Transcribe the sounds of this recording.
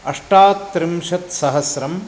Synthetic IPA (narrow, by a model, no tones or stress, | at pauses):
ɐʂʈaːt̪ːɾɪmʂɐt̪sɐɦɐsɾɐm